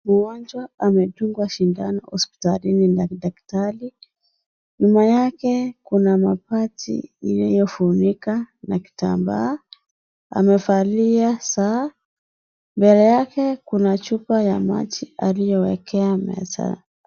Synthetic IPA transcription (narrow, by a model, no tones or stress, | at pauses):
muɡɔnd͡ʒwaamɛtuŋɡwaʃindanɔhɔspi̥talinindakidaktali | ɲumajakɛkunamapatʰḭːnajɔfunikanaki̥ta̰mba̰ː | a̰mɛfaliasaː | mbɛlɛjakɛkunat͡ʃupajama̰t͡ʃialijɔwɛkɛamɛ̰sa̰